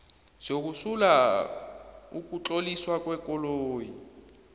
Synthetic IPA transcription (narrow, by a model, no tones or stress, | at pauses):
z̥ok̬usula | uk̬ʼut͡ɬoliswak̬ʼwɛk̬ʼɔloːji